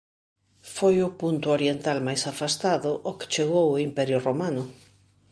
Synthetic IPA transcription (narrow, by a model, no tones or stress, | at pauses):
fojʊpunt̪ʊoɾjent̪almajsafast̪aðʊʔokɪ̥t͡ʃeɣowʊimpɛɾjʊromanʊ